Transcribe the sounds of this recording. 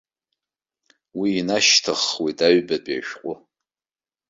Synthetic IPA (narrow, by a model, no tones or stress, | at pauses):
wiːnaʃtʰaχwitʰʼaɥbadʼa̰ʃᶣqʷʼʊ